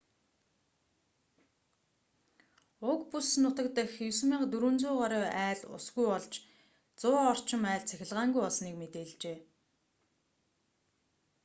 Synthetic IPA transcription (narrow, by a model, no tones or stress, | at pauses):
ʊkpusnʊt̪ə̆kt̪ə̆xjusmiːqt̪uɾuːnt͡sʊːʁaɾɔːæːɮʊ̰sɣujɔɮt͡ɕ | t͡sʊːɔr̥t͡ɕɪ̆mæːɮt͡sʰæxʲɪ̆ɮʁaːŋɡujɔɮsniːkmet̪eːɮt͡ɕeː